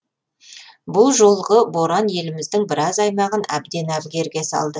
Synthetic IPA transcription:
bʊlˠʒo̞lˠʁəbo̞ɾɑnje̞lɪmɪzd̪ɪŋbɪɾɑzɑjmɑʁənæ̰b̚d̪e̞næbɡʲe̞ɾɡʲe̞sɑ̰lˠd̪ə

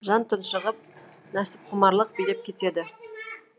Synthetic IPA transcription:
ʒɑnt̪ʰʊnʃəʁəp̚ | næsɪ̥p̚qʰʊmɑɾlˠəq̚bijlep̚kʲʰe̞t̪e̞d̪ɪ

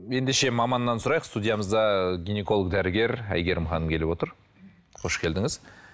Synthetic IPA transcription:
je̞nd̪eʃe̞mɑmɑnːɑnsʊɾɑjəqst̪ud̪ʲijɑməzd̪ɑɡʲine̞ko̞lˠək̚d̪æɾɪɡʲe̞ɾæ̰jɡʲe̞ɾɪmχɑnəmkʲʰe̞lɪpwo̞t̪əɾ | qʰo̞ʃkʲʰe̞ld̪ɪŋɪz

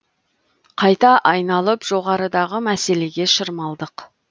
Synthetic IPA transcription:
qʰɑjt̪ɑʔɑjnɑlˠəpʒ̥o̞ʁɑɾəd̪ɑʁəmæse̞le̞ɡʲe̞ʃəɾmɑlˠd̪əq

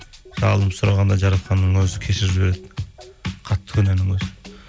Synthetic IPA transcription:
ʒ̥ɑlˠəpsʊɾɑʁɑnd̪ɑʒɑɾɑt̪qɑnːəŋwɵzɪkʲʰe̞ʃɪɾɪʒbe̞ɾe̞d̪ɪ | qʰɑt̪ːə̥kʰɵnenɪŋɵzɪ

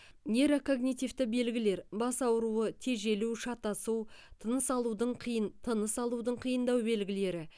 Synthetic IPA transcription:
nʲe̞ɾokʰo̞ɡnijt̪ift̪ɪbe̞lɡʲɪle̞ɾbɑsɑwɾuət̪ʰe̞ʒe̞luwʃɑt̪ɑsuwt̪ʰənəsɑlˠud̪əɴt̪ʰənəsɑlˠud̪əɴqʰijənd̪ɑwbe̞lɡʲɪle̞ɾɪ

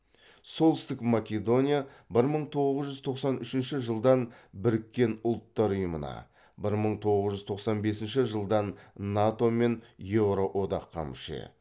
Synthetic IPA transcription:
so̞lˠt̪ɪst̪ɪkmakʲe̞d̪o̞nʲija | bɪɾməɴt̪ʰo̞ʁəzʒʏzt̪ʰo̞qsɑnʏʃɪnʃɪʒəlˠd̪ɑnbɪɾɪkʲːe̞nʊlˠt̪ːɑɾʊjəmənɑ̰ | bɪɾməɴt̪ʰo̞ʁəzʒʏzt̪ʰo̞qsɑnbe̞sɪnʃɪʒəlˠd̪ɑnːat̪o̞me̞njevɾoʔo̞d̪ɑqʰːɑ̰mʃḛ

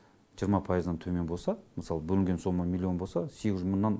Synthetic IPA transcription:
ʒijəɾmɑpʰɑjəzd̪ɑnt̪ʰɵme̞nbolˠsɑməsɑlˠəbɵlɪŋʲɡʲe̞nso̞məmʲilʲˠːio̞nbosɑse̞ɡʲɪzʒmənːɑn

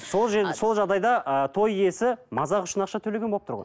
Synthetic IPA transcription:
so̞lˠʒeɾso̞lˠʒɑʁd̪ɑjd̪ɑət̪ʰo̞je̞sɪmɑzɑʁʊʃənɑqʃɑt̪ʰɵleɡʲenboəp̚t̪ʊɾʁɑ̰n

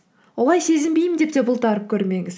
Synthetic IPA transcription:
wolˠɑjse̞zɪmbejmɪnd̪e̞p̚t̪e̞bʊlˠt̪ɑɾəp̚kʲʰɵɾme̞ŋɪz

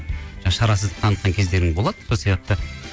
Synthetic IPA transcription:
ʒɑʃɑɾɑsəzd̪əpt̪ʰɑnət̪̚qɑŋkʲʰe̞zd̪e̞ɾɪŋbo̞lˠɑd̪əso̞lsijɑq̚t̪ə

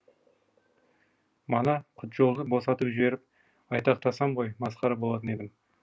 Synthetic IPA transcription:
mɑnɑqʰʊt̪ʒo̞lˠd̪əbo̞sɑt̪əpʒɪbe̞ɾɪp̚ | ɑjt̪ɑqt̪ʰɑsɑmʁo̞jmɑsqɑɾɑbo̞lˠɑt̪əne̞d̪ɪm

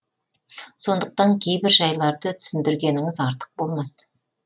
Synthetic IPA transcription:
so̞nd̪əq̚t̪ɑŋkʲʰe̞jbɪɾʒɑjlˠɑɾd̪ət̪ʰʏ̥sɪnd̪ɪɾɡʲe̞nɪŋɪzɑɾt̪ə̥q̚bo̞lˠmɑs

